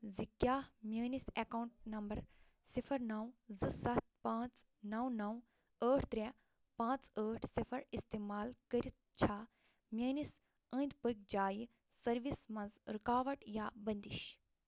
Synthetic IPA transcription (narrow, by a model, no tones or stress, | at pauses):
zikjaːhmjəːnisekawɳʈ̚nɐmbɐɾ | sifʰɐɾnɐwzɨsɐt̪̚pãːt͡s | nɐwnɐw | əːʈʰt̪ɾɛ | pãːt͡səːʈʰsifʰɐɾist̪eːmaːlkəɾit̪̚t͡ʃʰaː | mʲjəːnis | ə̃ːnd̪pək̚d͡ʒaːji | sɐɾʋismɐ̃nzɾikaːʋɐʈjaːbɐnd̪iʃ